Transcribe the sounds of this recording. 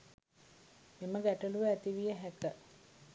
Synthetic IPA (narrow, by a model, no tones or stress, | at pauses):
meməɡæʈəluʋəæt̪iʋijəɦækə